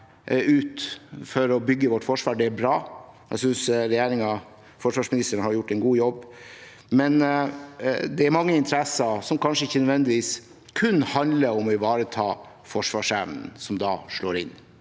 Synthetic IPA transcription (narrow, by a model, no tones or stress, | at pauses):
ʉːt̪fɔɾɔbʏɡːəʋɔʈːfɔʂʋɑːɖɛæɾbɾɑːjæ̰ɪsʏnsɾɛjeːɾɪŋɑ | fɔʂʋɑːʂmɪnɪst̪əɳhɑɾjʊʈːɛnɡuːjɔbː | mɛn | d̪ɛæɾmɑŋːəɪnt̪ʰəɾɛsɑsɔmkʰɑnʂəɪçːənœd̪ʋɛnd̪ɪʋiːs | kʰʉnhɑnd̪ləɾɔmɔɪʋɑːɾət̪ʰɑː | fɔʂʋɑːʂæʋnn̩sɔmd̪ɑːʂɭoːɾɪn